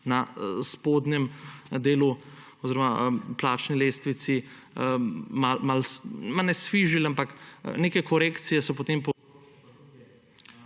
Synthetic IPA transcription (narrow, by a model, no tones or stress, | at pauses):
nɐspod̪nɛmd̪eːlu | ɔziɾɔmaplaːt͡ʃnileːst̪ʋit̪si | mamalmalnɛsʋiʒilampakneːkɛkɔɾeːkt̪sijɛsɔpot̪eːmpɔ